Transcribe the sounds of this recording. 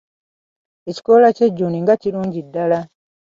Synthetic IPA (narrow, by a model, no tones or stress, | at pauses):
eci̥kolaceɟːuːniŋɡaciɾuːɲɟidːala